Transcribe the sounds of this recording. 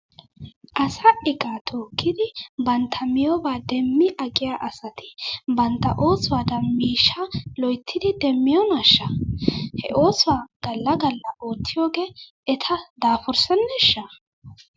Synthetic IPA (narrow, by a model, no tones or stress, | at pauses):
ʔɐsɐʔɪkʼat̪ʰoːkʰːɪd̪ɪbɐnt̪ʰɐmɪjɔbaːd̪ɛmːɪʔɐkʼɪjaːʔɐsɐt̪ɪbɐnt̪ːɐ̰ʔo̞ːsʊwaːd̪ɐmiːʃːɐlɔjt̪ʰːɪd̪ɪd̪ɛmːɪjɔnɐʃːɐhɛ̰ʔo̞ːsʊwaːɡ̥ɐlːɐɡɐlːɐʔoːt̪ːɪjoːɡeː | ɛt̪ʰɐd̪aːfɔɾsɐnːɛʃːɐ